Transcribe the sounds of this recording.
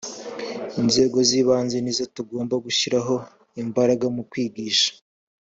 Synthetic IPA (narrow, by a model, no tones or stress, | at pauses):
inze̞ːɡo̞ziːβaːnzenizotuɡo̞ːmbaɡuʃiɾaɦo̞ | imbaɾaɡamukwiːɡiːʃḁ